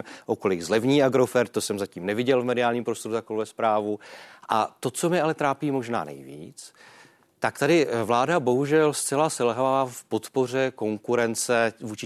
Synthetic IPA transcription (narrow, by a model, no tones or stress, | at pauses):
ʔo̞ko̞lɪɡzlɛvɲiːʔaɡɾo̞fɛɾt̪̚t̪ːo̞sɛmzaciːmnɛvɪɟɛlvmɛdɪaːlɲiːmpɾost̪o̞ɾut̪akolvɛspɾaːvuʔa̰t̪o̞t͡so̞mɛʔalɛt̪ɾaːpiːmo̞ʒna̰ːnɛ̰jvḭːt͡s | t̪akt̪adɪvlaːdabo̞ɦuʒɛlst͡sɛlasɛlɦavaːfpo̞t̪po̞r̝ɛko̞ŋkuɾɛnt͡sɛvuːt͡ʃɪ